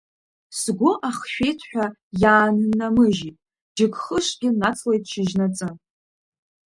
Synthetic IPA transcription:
sɡʷʊʔaχʃᶣejtʰħʷᶣajaːnɨnːamɨʒitʼ | d͡ʒɪɡχəʂɡʲɪnat͡sʰlejtʼʃɪʒnat͡sʼɨ

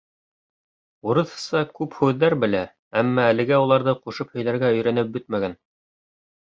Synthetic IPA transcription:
uɾɤ̆ðɤ̥̆sɑkʉphʉðːæɾbɘ̆læ | æmːæːlɘ̆ɡæulˠɑɾðɤquʃɤphɵ̆jlæɾɡæɵ̆jɾænɘp̚bɵt̪̚mæɡæn

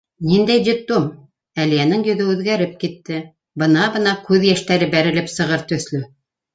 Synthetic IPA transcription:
nind̪æjd̪ʲɪplˠom | ælijænɘŋjɵ̆ðɵʉðɡæɾɘp̚kit̪ːɘ | bɤ̆nɑbɤ̆nɑkʉðjæʃt̪æɾɘbæɾɘ̆lɘpsɤ̆ʁɤɾt̪ɵ̆θlɵ

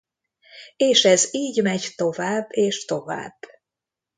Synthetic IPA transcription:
eːʃɛziːɟmɛɟt̪o̞vaːbːeːʃt̪o̞va̰ːb̥ː

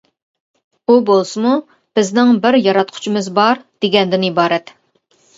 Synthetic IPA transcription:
ubolˠsɨmu | b̥ɪznɪŋbɪɾjɑɾɑt̪̚qʰʊ̥t͡ʃʰimɨzbɑɾd̪̥eɡʲɛnd̪ɪnibɑːɾɛt̪

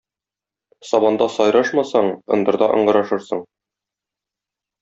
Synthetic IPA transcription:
sɒbɑnd̪ɑsɒjɾɑʃmɑsɑɴɤ̆nd̪ɤ̆ɾd̪ɑʔɤ̰̆ɴɢɤ̆ɾɑʃɤɾsɤɴ

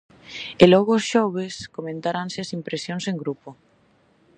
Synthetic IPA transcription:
elɔɣoːsʃɔβ̞eskomẽnt̪aɾanseasimpɾesjõnseŋɡɾupo

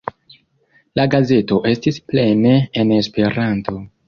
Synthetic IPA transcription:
laɡaze̞to̞ʔe̞stisple̞ne̞ːne̞spe̞ɾanto̞

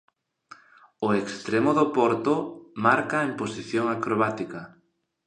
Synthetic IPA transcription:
oekst̪ɾemʊðopɔɾt̪omaɾkaemposiθjoŋakɾoβat̪ika

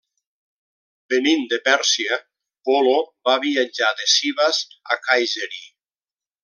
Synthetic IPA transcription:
benind̪epɛɾsia | pɔlobaβiad͡ʒaðesiβaza̰kajʒeɾi

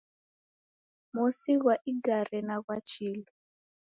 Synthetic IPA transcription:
musiɣwaʔiɡaɾɛnaɣwat͡ʃʰiːlɔ

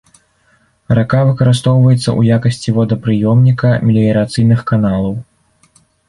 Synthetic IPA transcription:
ɾakavɨkɐɾɨst̪ɔwvɐjɛt̪sːɐ̰ʔṵjakɐsʲt͡sʲivɔd̪ɐpɾɨjɔmnʲikɐmʲilʲijɾat̪sɨjnɨxkanalˠɐw

